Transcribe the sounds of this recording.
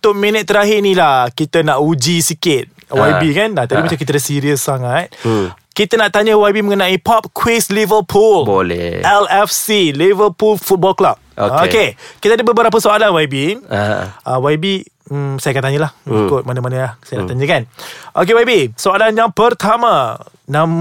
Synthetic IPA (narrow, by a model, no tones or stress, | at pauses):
ut̪ʊʔ̚minət̪ːəɾaɦɪnilahkit̪ənaʔud͡ʒisikɪt̪̚ | waibikanat̪abimat͡ʃamkit̪ədəsiɾiəsːaŋat̪̚ | kit̪ənaʔt̪aɲəwajbimə̃ŋənãipɔp̚kʰwislivərpʰulbolɛ̰ʔɛlɛfsilivərpulfut̪̚bɔlklap̚ookekit̪adəbəbəɾap̬əsoalanwaibi | awabi | sajakant̪aɲəlahikʊt̪̚manəmanəlahsajanaʔt̪aɲəkanʔok̬ewajbisoalanjaŋpərt̪amanãm